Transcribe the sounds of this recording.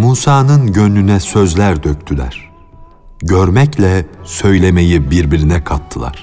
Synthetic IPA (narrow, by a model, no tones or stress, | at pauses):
muːsaːnɯnɟønːynɛsø̞zlʲæɾd̪øc̚t̪ʰylʲæ̰ɾ̥ | ɟøɾmɛclʲɛsø̞jlʲe̞me̞jibiɾbiɾinɛkʰat̪ʰːɯlˠa̰ɾ̥